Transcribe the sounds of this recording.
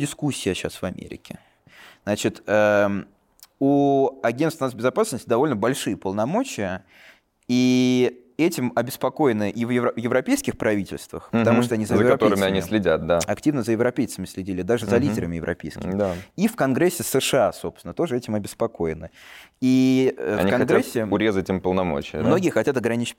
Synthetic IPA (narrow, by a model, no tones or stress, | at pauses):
dʲɪskusʲːɪjəɕasvɐmʲḛɾʲɪ̰kʲɪ | znat͡ɕɪt̪ə | uɐɡʲenst̪vnasbʲɪzɐpasnəsʲtʲd̪ɐvo̞lʲnəbɐlʲʂɨjəpəlˠnɐmo̞t͡ɕɪjə | i | ɛtʲɪmɐbʲɪspɐko̞jɪnɨʔivjɪvjɪvɾɐpʲejskʲɪxpɾʔɐvʲitʲɪ̰lʲst̪və̰xpət̪ɐmuʂt̪oɐnʲizəjzəɪɾkɐp̪ʲoɾɨmɪɐnʲisʲlʲɪdʲat̪̚d̪aɐktʲivnəzəjɪvɾɐpʲejt̪səmʲɪsʲlʲɪdʲilʲɪd̪aʐɨzzɐlʲidʲɪɾəmɪjɪvɾʔɐ̰pʲejskʲɪmd̪aifkɐnɡɾesʲːɪsəʂɨasopsʲɪnət̪o̞ʐɨɛtʲɪmɐbʲɪspɐko̞jɪnɨiɐ̰fnʲikɐnɡɾesʲːɪʊɾʲezətʲɪmpəlˠnɐmo̰t͡ɕɪjə̰mno̞ɡʲɪjəxɐtʲat̪ɐɡɾɐnʲit͡ɕ